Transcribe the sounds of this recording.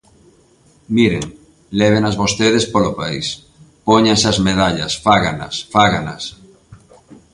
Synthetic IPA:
miɾḛŋ | lɛβ̞enazβost̪eðespolopaḭs | poɲaŋsazmeð̞aʎɐ̰sfaɣanɐ̰sfaɣana̰s

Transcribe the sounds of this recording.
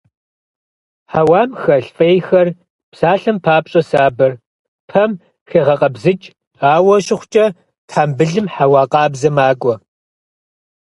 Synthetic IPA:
ħawaːmxɐɬfʼɐjxɐr | psaːɬɨmpʰaːpɕʼɐsaːbɐr | pʰɐm | xeːʁɐqʼɐbzɨt͡ʃʼ | aːwɐɕʼɪχʷt͡ʃʼɐ | tħaːmbɨɮɨmħawɑːqʼɑːbzɐmaːɡʷʼɔ

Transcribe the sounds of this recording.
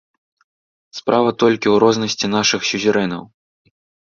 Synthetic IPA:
spɾʔavɐt̪ɔlʲkʲiwɾɔznɐsʲt͡sʲinaʂɨxsʲuzʲiɾɛnɐ̰w

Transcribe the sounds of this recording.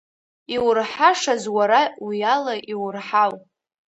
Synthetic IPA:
iwrħaʂazwaɾawijalaʔiwʊrħaw

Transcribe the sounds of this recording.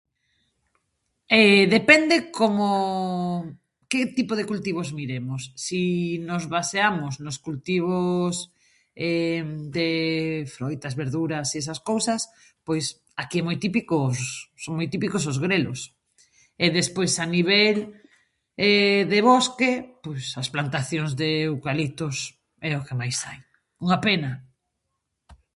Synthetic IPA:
eðepɛnd̪ekomo | ket̪ipoð̞ekult̪iβ̞ozmiɾemʊsːinozβaseamʊznʊskult̪iβ̞os | ɛd̪efɾojt̪azβeɾðuɾasiesɐskowsɐs | pojs | akiɛmojt̪ipikʊsoŋmojt̪ipikʊs̬ozɣɾelʊ̰s | eðespojsaniβɛl | ɛðeβɔskepojsɐsplant̪aθjoŋzðewkalit̪ʊs | ɛokemajsaj | uŋapenɐ

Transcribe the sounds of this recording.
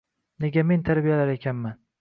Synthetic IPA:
neɡʲame̞nt̪ʰaɾbijalaɾekʲʰanman

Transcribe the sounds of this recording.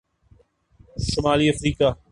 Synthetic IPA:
ʃʊmaːliɐfɾiːka

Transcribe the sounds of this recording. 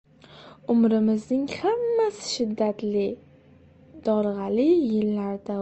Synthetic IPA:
ʊmɾɪmɪznɪŋhamːasɪ̥ʃɪd̪ːat̪lɪ | d̪̥ɒɾʁɑlɪjɪlːaɾd̪a

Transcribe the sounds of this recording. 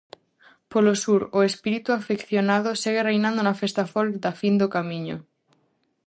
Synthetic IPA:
polosuɾoespiɾit̪uafekθjonað̞oseɣ̞erejnãnd̪onafest̪afold̪afind̪okamĩɲo̰

